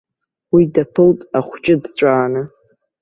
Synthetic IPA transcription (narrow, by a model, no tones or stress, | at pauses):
widapʰɨltʼaχʷt͡ʃʼɪdt͡ɕʷʼaːnɨ